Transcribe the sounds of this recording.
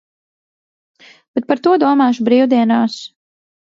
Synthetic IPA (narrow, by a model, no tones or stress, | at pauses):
b̥ɛt̪̚paɾt̪uɔd̪uɔmaːʃubɾiːwd̪iɛnaːs